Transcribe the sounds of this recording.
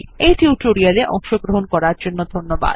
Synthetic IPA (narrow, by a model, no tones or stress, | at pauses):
ejʈiuʈoɾiaɾeʔɔ̰ŋʃoɡɾoɦonkɔɾaɾd͡ʑonːod̪ʱonːoba̰d̪